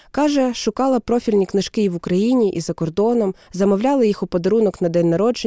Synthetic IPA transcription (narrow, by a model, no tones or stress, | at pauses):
kɑʒɛʃʊkɑlˠɐpɾɔfʲilʲnʲiknɪʃkɪʋʊkɾɐjinʲiʔḭzɐkɔrd̪ɔnɔmzɐmɔwlʲɑlˠɪjixʊpɔd̪ɐɾunɔknɐd̪ɛnʲnːɐɾɔd͡ʒe